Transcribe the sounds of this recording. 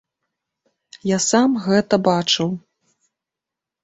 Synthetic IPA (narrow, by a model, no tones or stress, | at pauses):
jasamɣɛt̪ɐbat͡ʂɨw